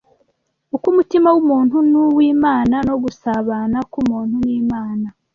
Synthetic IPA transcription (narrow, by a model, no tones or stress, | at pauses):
ukumutimawumuːn̥hunuwiːmaːnano̞ɡusaβaːnakumuːnhuniːmaːna